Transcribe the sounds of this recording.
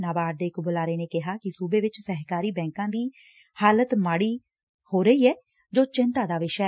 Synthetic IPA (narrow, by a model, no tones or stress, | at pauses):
naːbaːɾd̪eːɪkbʊlaːɾeːnẽːkɪɦaːkɪsuːbeːʋɪt͡ʃsɛɦkaːɾiːbɛ̃ːŋkãːd̪iː | haːlət̪maːɽiː | hoːɾəiːɛː | d͡ʒoːt͡ʃɪnt̪aːd̪aːʋɪʃɛ